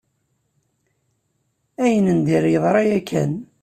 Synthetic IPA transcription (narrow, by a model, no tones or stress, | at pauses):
æjənənd̪iɾjəðˤɾˤɑjækʰːæ̰n